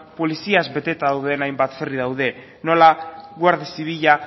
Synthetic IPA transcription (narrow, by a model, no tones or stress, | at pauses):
po̞lisiazbe̞t̪e̞t̪aðawðe̞najmbat̪feriðawðe̞ | no̞laɣwaɾðisiβiʎa